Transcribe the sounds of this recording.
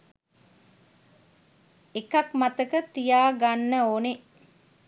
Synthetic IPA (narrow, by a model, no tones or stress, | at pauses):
ekɐkmat̪əkət̪ijaːɡanːəoːne